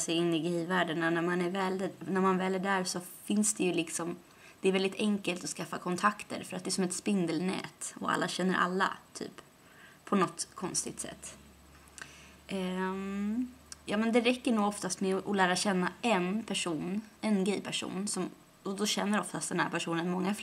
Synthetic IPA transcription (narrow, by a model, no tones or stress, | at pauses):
sɛjɪnːɪɡɛvæːɖənanæmanæɾvɛlnæɾmanvɛːlːæɖæɾsɔfɪnsd̪ɛjɵlɪksɔm | d̪̥ɛːɾvɛld̪ɪt̪ʰɛŋkəlt̪ɔskafːakʰɔnt̪ʰakt̪ə̰ɾfœɾat̪d̪ɛːsɔmɛt̪spɪnd̪ɛlnɛ̰ːt̪ɔ̰a̰lːaɕɛnːə̰ɾʔa̰lːa̰t̪ʰy̰ːp | pʰːɔnɔt̪kʰɔnst̪ɪɡt̪sɛ̰t̪ː | jɑːmɛnd̪ɛɾɛkːəɳuːɡɔft̪ast̪mɛʔɔlæːɾaɕɛnːaʔɛnpʰæʂuːnɛnɡɛjpʰæʂṵːnsɔm | ɔd̪ɔɕɛnːəɾɔft̪ast̪d̪ɛnhæ̰ɾpʰæʂuːnənmɔŋːaf